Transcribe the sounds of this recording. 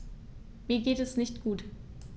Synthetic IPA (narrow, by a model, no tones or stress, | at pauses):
miːɐɡeːtɛsnɪçtɡ̥uːt